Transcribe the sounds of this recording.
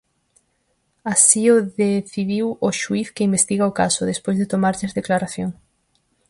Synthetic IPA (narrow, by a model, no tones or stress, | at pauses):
asioðeθiðiwoʃuiθkeimbest̪iɣaokasʊðespojzðet̪omaɾʎɪzðeklaɾaθjoŋ